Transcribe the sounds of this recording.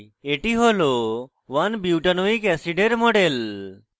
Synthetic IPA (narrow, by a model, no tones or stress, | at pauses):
eʈiɦolo | ʋanbiʈanoikɛsiɖeɾmɔɖel